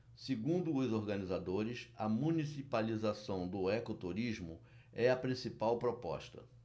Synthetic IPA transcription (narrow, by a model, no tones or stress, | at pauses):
seɡũnd̪ʊːzoɾɡɐnizad̪oɾɪsɐmũnisipalizasɐ̃w̃d̪ʊɛkot̪uɾiʒmʊ | ɛɐpɾĩsipawpɾɔpɔ̰ʃt̪ɐ̰